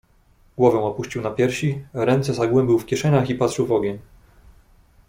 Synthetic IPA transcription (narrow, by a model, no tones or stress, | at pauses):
ɡ̥wɔvɛ̃w̃ɔpuɕt͡ɕiwnapʲjɛɾɕiɾɛnt̪sɛzaɡwɛmbʲiwfkʲjɛʂɛɲaxipat̪ʂɘwvɔɡʲeɲ